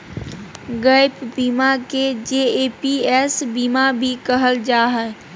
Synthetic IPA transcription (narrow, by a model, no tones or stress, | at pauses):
ɡəɪpbiːmaked͡ʒeːeːpiɛsbiːmabʱikəɦəld͡ʒaːɦɛː